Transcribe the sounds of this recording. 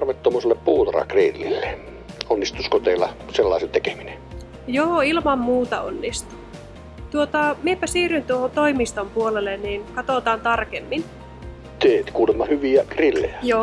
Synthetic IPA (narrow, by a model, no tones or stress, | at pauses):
rʋet̪ːomuːselːeppuːt̪ɑrɑ̰krilːilːe | onːist̪uskot̪eilɑselːɑisent̪eke̥mine | joːilmɑmmuːt̪ɑ̰o̰nːist̪u̥ | t̪uot̪ɑmiepæsiːrynt̪uohont̪oimist̪ompuolelenninkɑt̪oˑt̪ɑːnt̪ɑrkemːin | t̪eːt̪kuːlemːɑhyʋiækrilːḛjæjoː